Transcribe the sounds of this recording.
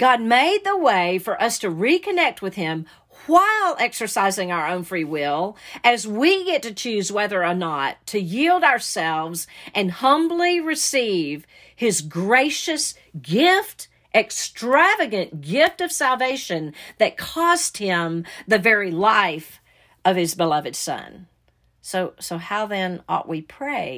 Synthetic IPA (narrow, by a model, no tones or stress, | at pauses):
ɡ̥ɑd̚meɪd̪̚ðəweɪfə˞ʔʌstʰɨɹikʰɨnɛk̚t̚wɨð̥ɪ̃m | waɪlˠɛksə˞saɪzɪ̃ŋaʊə˞õʊ̃nfɹiwɪlˠɨzwiɡɛtɨt͡ʃʰʉzwɛðə˞ənətʰɨjilˠdaʊə˞sɛlˠvzʔɨ̃nhʌ̃mbliɹɨsiv̥ | ɪzɡɹeɪʃɨs | ɡ̥ɪft | ʔɨkstɹ̥ævɨɡɨ̃nɡ̥ɪftʌv̥sælˠveɪʃɨ̃nðɨt̚kʰɔst̚hɪ̃mðɨvɛɹilaɪf | ʌv̥ɨzbəlʌvɨd̥sʌ̰̃n | soʊsoʊhaʊðɨ̃nɔ̰ʔwipʰɹ̥eɪ